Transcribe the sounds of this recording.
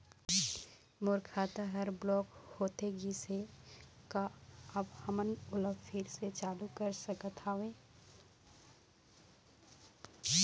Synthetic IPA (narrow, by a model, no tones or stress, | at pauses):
moɾkʰaːt̪aɦəɾblɔːkhoːt̪eɡise | kaəbhəmənʊləbpʰɪɾset͡ʃaːlukəɾsəkət̪ʰaːʋẽː